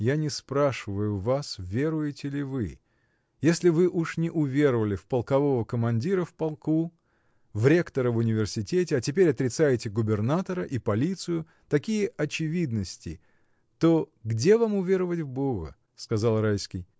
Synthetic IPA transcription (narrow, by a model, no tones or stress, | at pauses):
janʲɪspɾaʂɨvəjʊvasvʲe̞ɾʊjɪtʲɪlʲɪvɨ | jesʲlʲɪvɨʔuʂnʲɪʔʊvʲe̞ɾəvəlʲɪfpəlˠkɐvo̞vəkəmɐnʲdʲiɾəfpɐlˠku | vɾʲe̞kt̪əɾəvʊnʲɪvʲɪrsʲɪtʲetʲɪɐtʲɪpʲeɾʲɐt̪ɾʲɪt̪sajɪtʲɪɡʊbʲɪrnat̪əɾəʔipɐlʲit̪sɨjʊ | t̪ɐkʲijəʔɐt͡ɕɪvʲid̪nəsʲtʲɪ̰ | t̪o̞ɡdʲe̞vamʊvʲe̞ɾəvətʲvboɣə̰ | skɐzalˠrajskʲɪj